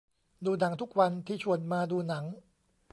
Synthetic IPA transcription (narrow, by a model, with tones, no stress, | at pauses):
duː˧na˩˦ŋt̪ʰu˦˥k̚wa˧nt̪ʰiː˥˧˩t͡ɕʰu˨˩ənmaː˧duː˧na˩˦ŋ